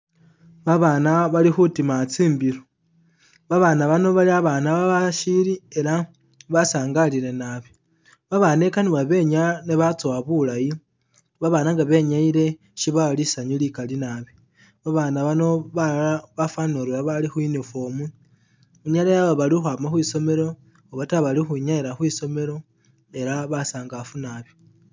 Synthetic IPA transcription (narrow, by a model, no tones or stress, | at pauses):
βaβaːnaβalixutimat͡siːmbiɾo | βaβanaβano̞βaliaβanaβaβaʃiɾie̞ɾa | βasaːŋɡaliɾe̞naβe | βaβane̞kaniβaβe̞ɲaneβat͡soaβulaji | βaβaːnaŋɡaβe̞ɲaiɾe̞ | ʃiβalisaɲilikalinaβi | βaβaːnaβano̞βaβafanoɾaβalixwinifo̞mu | uɲalajaβaβalixwamaxwiːso̞me̞ɾo̞ | oβataβalixuɲaiɾaxwiːso̞me̞ɾo̞ | e̞ɾaβasaːŋɡafunaβi